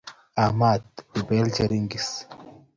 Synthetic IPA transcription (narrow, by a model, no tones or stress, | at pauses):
amad̪ibelt͡ʃeɾiŋɡis